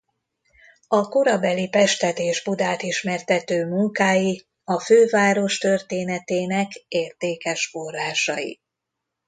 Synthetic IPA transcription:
ɒkoɾɒbɛlipɛʃt̪ɛt̪eːʒbud̪aːt̪iʃmɛrt̪ɛt̪øːmuŋkaːji | ɒføːvaːɾo̞ʃt̪ørt̪eːnɛt̪eːnɛkeːrt̪eːkɛʃfo̞rːaːʃɒjḭ

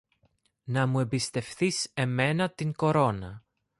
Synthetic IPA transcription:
nɐmue̞mbist̪e̞fθise̞me̞nɐt̪iŋko̞ɾo̞nɐ

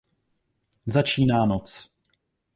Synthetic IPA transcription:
zat͡ʃiːnaːnot͡s

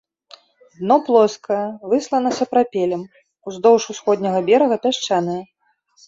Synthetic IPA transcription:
d̪nɔplˠɔskɐjɐvɨslˠɐnɐsɐpɾapʲɛlʲɐm | uzd̪ɔwʂusxɔd̪ʲnʲɐɣɐbʲɛɾɐɣɐpʲaʂt͡ʂanɨjɐ

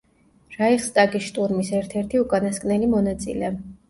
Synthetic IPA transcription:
ɾaiχst̪ʼaɡisʃt̪ʼuɾmisɛɾt̪ʰɛɾt̪ʰiukʼanaskʼnɛlimɔnat̪sʼḭlɛ

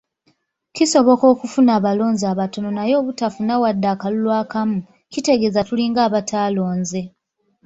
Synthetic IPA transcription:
ciso̞βo̞ko̞ːkufunaːβalo̞ːnzaːβato̞no̞najo̞ːβutafunawadːaːkalulwaːkamu | cite̞ɡe̞ːzatuliːŋɡaːβataːlo̞ːnze̞

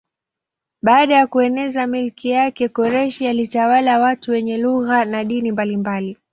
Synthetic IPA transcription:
ɓaːɗajakuɛnɛzamilkijakɛkɔɾɛʃialitawalawatuwɛɲɛluɣanaɗinimbalimbali

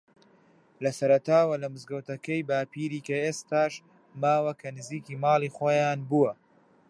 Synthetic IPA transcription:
lɐsɐɾɐt̪aːwɐlɐmɨzɡɐwt̪ɐkɐjbaːpiːɾiːkɐeːst̪aːʃ | maːwɐkʰɐnɨziːkiːmɑːlˠiːχojaːnbuwɐ

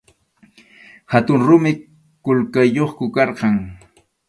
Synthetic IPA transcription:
hat̪ʊŋɾʊmɪ | kʊlkajːoχkʊkɑɾqɑŋ

